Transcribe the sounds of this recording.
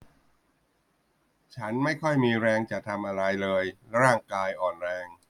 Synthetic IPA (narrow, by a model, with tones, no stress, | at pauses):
t͡ɕʰa˦˥nma˥˩jkʰɔ˥˩jmiː˧ɾɛː˧ŋt͡ɕa˨˩t̪ʰa˧mʔa˧ɾa˧jlɤː˧jɾaː˥˩ŋkaː˧jʔɔː˨˩nɾɛː˧ŋ